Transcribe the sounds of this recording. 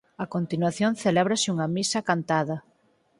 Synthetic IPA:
ɐkont̪inwaθjonθelɛβ̞ɾɐsɪuŋɐmisɐkant̪aðɐ

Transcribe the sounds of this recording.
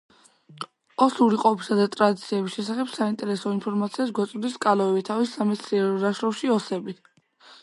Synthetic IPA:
ɔsuɾiqʼɔbisad̪at̪ʼɾad̪it̪sʰiɛbisʃɛsaχɛbsaint̪ʼɛɾɛsɔinpʰɔɾmat̪sʰiasɡwat̪sʼvd̪iskʼalɔɛbit̪ʰavisːamɛt̪sʰiɛɾɔd̪aʃɾɔfʃiɔsɛbit̪ʰ

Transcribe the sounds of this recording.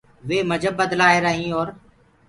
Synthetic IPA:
ʋeːməd͡ʒʱəbːəd̪laːeːɾəɦĩːɔːɾ

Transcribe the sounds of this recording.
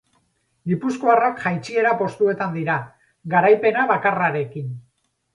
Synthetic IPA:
ɡipusko̞arakʝajt͡ʃie̞ɾapo̞st̪ue̞t̪and̪iɾa | ɡaɾajpe̞naβakaraɾe̞kin

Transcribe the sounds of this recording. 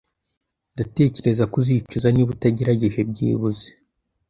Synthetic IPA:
ndate̞ːce̞ɾe̞zakuzit͡ʃuzaniβutaɟiɾaɟe̞ʒe̞b̚ɟḭːβuze̥

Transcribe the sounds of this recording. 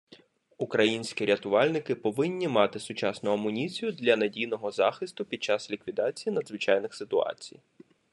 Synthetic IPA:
ukɾɐjinʲsʲkʲiɾʲɐt̪ʊʋɑlʲnɪkɪpɔʋɪnʲːimɑt̪ɪsʊt͡ʃɑsnʊɐmʊnʲit͡sʲijʊd̪lʲɐnɐdʲijnɔɦɔzɑxɪst̪ʊpʲid̪̚t͡ʃɑslʲikʋʲid̪ɑt͡sʲijinɐd̪zʋɪt͡ʃɑjnɪxsɪt̪ʊɑ̰t͡sʲḭj

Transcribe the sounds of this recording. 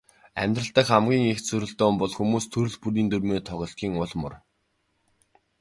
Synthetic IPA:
æ̰mʲt̪rə̆ɬt̪ə̆kχamɡʲiːŋext͡sɵɾɵ̆ɮt̪oːmpɔɮxumuːst̪ʰɵɾɵ̆ɮpuɾiːnt̪ɵrmeːt̪ʰɔʁɞ̆ɬtɡʲiːŋʊɮmʊ̰̆r

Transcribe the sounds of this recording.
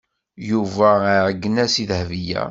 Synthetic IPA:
juvæʕəɡːənæsiðhvijæ̰

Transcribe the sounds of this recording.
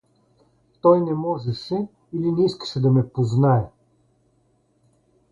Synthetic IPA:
t̪ɔjnɛmɔʒɛʃɛ | ilinɛiskə̥ʃɛd̪ɐmɛpoznaɛ

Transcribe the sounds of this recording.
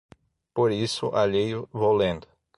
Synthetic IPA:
poɾisʊ̰ʔaʎejʊvowlẽnd̪ʊ̥

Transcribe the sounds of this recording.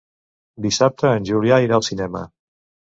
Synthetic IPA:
d̪isap̚t̪əːnʲʒuliaiɾaəlˠsinɛmə̰

